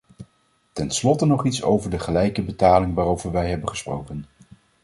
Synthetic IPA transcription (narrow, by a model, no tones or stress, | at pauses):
tɛnslɔtənɔχitso̰wvəɹdəχəlɛjkəbətaːlɪŋʋaːɾowvəɹʋɛjɦɛbənχəsprowkən